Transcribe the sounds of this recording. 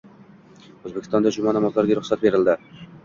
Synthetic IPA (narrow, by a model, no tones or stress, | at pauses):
ɵzbekʲʰɪst̪ɒnd̪aʃʊmanamɒt̪lˠaɾd̪eɾʊχsat̪̚be̞ɾɪld̪ɪ